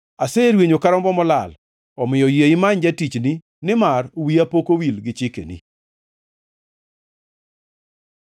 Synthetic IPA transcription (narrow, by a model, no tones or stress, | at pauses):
aseɾweɲokaɾɔmbɔmɔlal | ɔmɪjɔjeɪmaɲd͡ʒatit͡ʃni | nɪmarwiapokowilɡɪt͡ʃɪkḛnḭ